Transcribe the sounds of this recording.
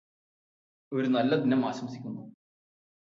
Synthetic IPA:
oɾunɐlːɐd̪inɐmaːsɐmsikʲːunːu

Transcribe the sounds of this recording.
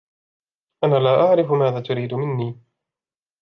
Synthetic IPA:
ʔanaːlaːʔaʕɾɪfʊmaːðaːt̪ʊɾiːd̪ʊmɪnːiː

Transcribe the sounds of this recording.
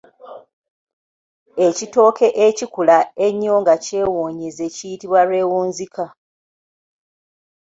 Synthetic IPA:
ecito̞ːkʰe̞ʔecikulaeɲːoːŋɡace̞ːwoːɲize̞cijitiβwaɾwe̞ːwuːnzikʰa

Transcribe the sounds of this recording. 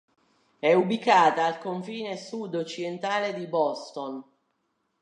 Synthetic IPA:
ɛubikaːt̪aːlkoɱfiːnesud̪ːot͡ʃːid̪ent̪aːled̪ibɔst̪on

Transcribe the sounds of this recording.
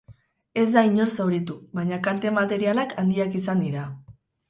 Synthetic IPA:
e̞zd̪aiɲo̞ɾsawɾit̪uβajɲakant̪e̞mat̪e̞ɾialakʰand̪iakis̬and̪iɾa

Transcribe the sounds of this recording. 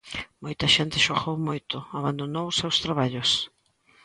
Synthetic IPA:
mojt̪ɐʃent̪ɪʃoɣowmojt̪ʊaβand̪onowsewst̪ɾaβaʎʊs

